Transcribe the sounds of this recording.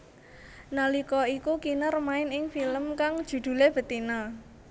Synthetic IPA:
nalikɔikukinarmaɪnɪŋfiləmkaŋd̥ʒ̥ṳd̪̥ṳleb̥ə̤t̪ina

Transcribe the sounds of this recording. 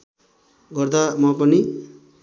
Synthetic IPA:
ɡʌrd̪amʌpʌni

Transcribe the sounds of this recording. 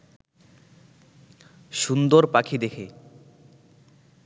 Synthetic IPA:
ʃund̪oɾpakʰid̪ekʰe

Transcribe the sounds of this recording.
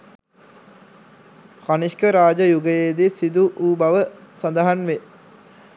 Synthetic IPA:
kaniʃkəɾaːd͡ʒəjuɡəjeːd̪esid̪uʔuːbaʋəsand̪əɦanʋe

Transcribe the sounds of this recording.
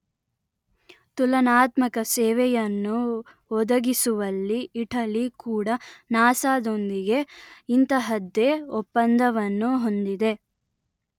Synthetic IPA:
t̪ulɐnaːt̪mɐkɐseːʋɛjɐnːu | ɔd̪ɐɡisuʋɐlːiːʈɐlikuːɽɐnaːsaːd̪o̞nd̪iɡe̞int̪ɐɦɐd̪ːeɔpːɐnd̪ʱɐʋɐnːuɦo̞nd̪id̪e̞

